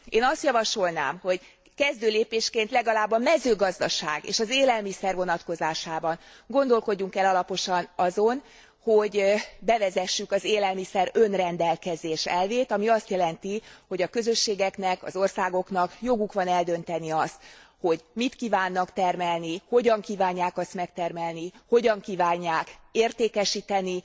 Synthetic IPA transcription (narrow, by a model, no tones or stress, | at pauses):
eːnɒst̪jɒvɒʃo̞lna̰ːmho̞ɟ | kɛzd̪øːleːpeːʃkeːnt̪lɛɡɒlaːbːɒmɛzøːɡɒzd̪ɒʃa̰ːɡḛːʃɒzeːlɛlmisɛrvo̞nɒt̪ko̞zaːʃaːbɒn | ɡo̞nd̪o̞lko̞ɟːuŋkɛlɒlɒpo̞ʃɒnɒzo̞n | ho̞ɟbɛvɛzɛʃːykɒzeːlɛlmisɛɾønrɛnd̪ɛlkɛzeːʃɛlveːt̪ɒmiɒst̪jɛlɛnt̪iho̞ɟɒkø̞zø̞ʃːeːɡɛkn̪ɛkɒ̰zo̞rsaːɡo̞knɒkjo̞ɡukʋɒnɛld̪ø̞n̪t̪ɛniɒst̪ho̞ɟmit̪kiːvaːnːɒkt̪ɛrmɛlniho̞ɟɒŋkiːvaːɲːaːkɒst̪mɛk̚t̪ɛrmɛlniho̞ɟɒŋkiːvaːɲːaːkeːrt̪eːkɛʃiːt̪ɛni